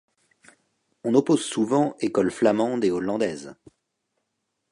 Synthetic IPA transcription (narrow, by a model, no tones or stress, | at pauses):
ɔ̃nɔpozsuvɑ̃ekɔlflamɑ̃d̪eɔlɑ̃d̪ɛz